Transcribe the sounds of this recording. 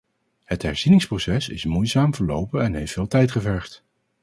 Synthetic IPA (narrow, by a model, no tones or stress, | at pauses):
hətɦɛɹz̥inɪŋsprowsɛsɪ̰smujzaːmvəɹlo̰wpənɛnɦejftfɪːlˠtɛjtχəvɛɹχt